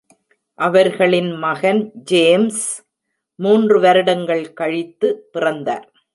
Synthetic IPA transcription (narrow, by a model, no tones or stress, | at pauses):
ʔɐʋɐɾɣɐɭɪnmɐɣɐnd͡ʒeːms | muːndrɯʋɐɾɯɽɐŋɡɐɭkɐɻɪt̪ːɯpɪrɐnd̪a̰ːɾ